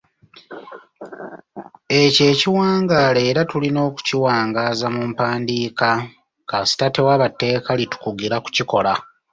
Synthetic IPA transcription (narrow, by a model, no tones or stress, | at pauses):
e̞ce̞ːciwaːŋɡaːle̞ːɾatulino̞ːku̥ciwaːŋɡaːzamumpaːndiːka | kasi̥tate̞waβatːe̞ːkalitu̥kuɡiɾaku̥ciko̞la